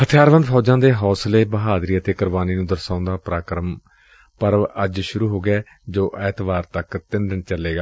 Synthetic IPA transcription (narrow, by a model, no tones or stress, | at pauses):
hət̪ʰɪjaːɾʋə̃nd̪pʰɔːd͡ʒãːd̪eːɦɔːsleːbəɦaːd̪ɾiːət̪eːkəɾʋaːniːnũːd̪əɾsaːʊ̃nd̪aːpɾaːkɾəm | pəɾʋəd͡ʒʃʊɾuːɦoːɡɛː | d͡ʒoːʔɛːt̪ʋaːɾt̪əkt̪ɪnd̪əɳt͡ʃəlːeːɡaː